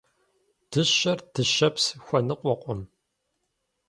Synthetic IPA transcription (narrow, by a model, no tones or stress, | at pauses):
d̥ɨɕɐrd̥ɨʃɐpsxʷɐnɨqʷʼɔqʷʼɔm